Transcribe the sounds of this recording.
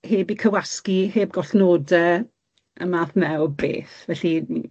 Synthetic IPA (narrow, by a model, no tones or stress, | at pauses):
heːbikʰəwaskiheːb̚ɡɔɬnoːdɛ | əmaːθmɛwbḛːθvɛɬi